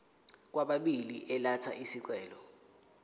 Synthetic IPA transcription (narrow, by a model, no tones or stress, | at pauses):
k̬waɓaɓiliʔɛlatʰaʔisik̬wɛːlɔ